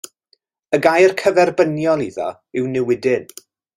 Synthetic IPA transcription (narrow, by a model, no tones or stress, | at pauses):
əɡajrkʰəvɛrbənjɔlˠiðɔ̰ | ɪwnɪwɪdɪn